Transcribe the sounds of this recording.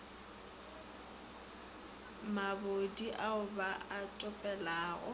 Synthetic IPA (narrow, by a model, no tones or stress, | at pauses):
mabodiʔaʊbaatʼʊpʼɛlaːɣɔ̰